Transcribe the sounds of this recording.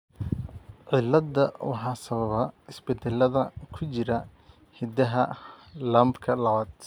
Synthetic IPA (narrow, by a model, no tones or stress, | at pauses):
ʕɪlːɐd̪ːɐwɑ̰ħɑːsɐβɐβɐɪsbɛd̪ɛlːɐðɐkʰʊt͡ʃɪɾɐ | hɪd̪ɐɦɐlɐːmbkʰɐlɐβaːd̪̥